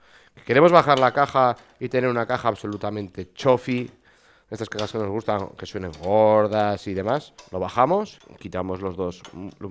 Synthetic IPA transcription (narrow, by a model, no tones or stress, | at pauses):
keke̞ɾe̞mo̞zβaxaɾlakaxa | it̪e̞ne̞ɾunakaxaːβso̞lut̪amẽ̞nt̪e̞t͡ʃo̞fi | e̞st̪askaxaske̞no̞zɣ̞ust̪aŋke̞swe̞ne̞ŋɡoɾðasiðe̞maslo̞βaxamo̞skit̪amo̞zlo̞zðos